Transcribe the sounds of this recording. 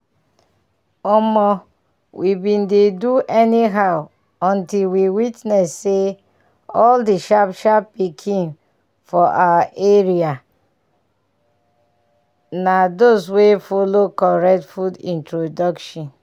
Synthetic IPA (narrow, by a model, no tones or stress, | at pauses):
ɔmɔ | wʔibĩndeduʔɛniɦaʊ | ɔ̃ntilwiwitnɛsːe | ɔldiʃapʃapːikʰĩn | fɔʔawaʔeɹia | nadoswefolokɔɹɛk̚tfudḭ̃ntɹodɔkʃɔ̃n